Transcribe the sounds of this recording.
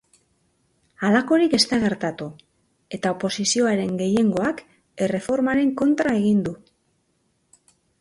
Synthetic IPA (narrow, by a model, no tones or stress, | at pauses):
alako̞ɾike̞st̪aɣ̞e̞ɾt̪at̪u | e̞t̪aopo̞sisio̞aɾe̞ŋɡe̞je̞ŋɡo̞ak | e̞re̞fo̞ɾmaɾe̞ŋko̞nt̪ɾae̞ɣind̪u